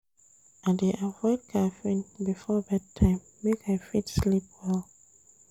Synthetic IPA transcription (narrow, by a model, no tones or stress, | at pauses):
andeʔavɔɪd̚kʰafĩnbifɔðatʰãɪ̃mːekaɪfidslip̚wɛl